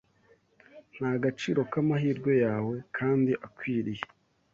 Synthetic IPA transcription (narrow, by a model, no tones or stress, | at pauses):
n̥haɡat͡ʃiːɾo̞kamaɦiːɾɡwe̞jaːwe̞kʰaːndiʔakwiːɾije